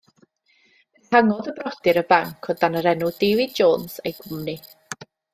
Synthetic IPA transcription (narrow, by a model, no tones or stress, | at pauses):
ɪhaŋɔðəbrɔdɪɾəbaŋkʰɔdanəɾɛnudeːvɪd̚d͡ʒoːnsejɡʊmni